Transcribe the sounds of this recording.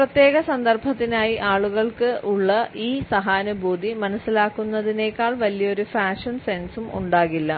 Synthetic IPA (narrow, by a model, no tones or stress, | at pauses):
prɐt̪je̞ːɣɐsɐnd̪ɐrbʱɐt̪ːinaːjiʔaːɭuɣɐɭkɨʔuɭːɐʔiːsɐɦaːnɐbʱuːd̪ʱimɐnɐsːilaːkːunːɐðine̞ːkːaːɭʋɐlijɐo̞ɾufaːʂɐnsensumʔṵɳɖaːɣilːɐ